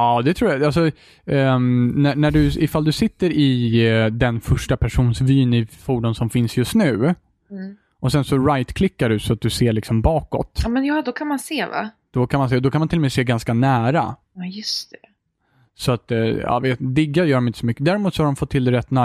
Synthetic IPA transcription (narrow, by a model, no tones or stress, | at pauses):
ɑːd̪ɛt̪ʰɾuːjaals̬ɔ | nænæɖɵɪfald̪ɵsɪt̪ːəɾɪd̪ɛnfœʂʈapʰæʂuːnsvyːnɪfuːɖʊnsɔmfɪnsjɵst̪nʉ̟ː | ʔɔsɛnsɔɾajt̪kʰlɪkːaɖɵsɔat̪̚d̪ɵseːɭɪksɔmbɑːkɔ̰t̪ɑmɛnjɑːd̪ɔkʰanmanseːva̰ | d̪̥ɔkʰanmanseːd̪ɔkʰanmanʰɪlːɔmiseːɡanskanæːɾa̰ | jɵst̪ɛ | sɔat̪ːɑ̰ːveːt̪d̪ɪɡːajœːɾɔmɪnt̪əsɔmʏkːəd̪æːɾɛmuːt̪sɔhaɖɔmfɔt̪ʰːɪld̪ɛɾɛt̪ːnæː